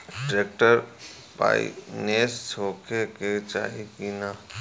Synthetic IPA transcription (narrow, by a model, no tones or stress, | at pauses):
ʈɾeːk̚ʈəɾ | pa̰ːḭneːssoːkʰeket͡ʃa̰ːɦikinaː